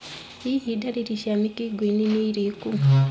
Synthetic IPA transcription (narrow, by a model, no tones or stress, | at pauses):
ihidaɾiɾiʃamikiɡwininiɾiku